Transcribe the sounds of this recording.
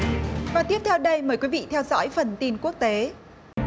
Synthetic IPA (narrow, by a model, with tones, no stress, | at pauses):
vaː˨˩t̪i˦˥əp̚t̪ʰɛ˧wɗə˧jməː˨˦jkwi˨˦vḭ˧˨t̪ʰɛ˧wzɔ̰˧˥jfə˨˩nt̪i˧nku˦˥ək̚t̪e˨˦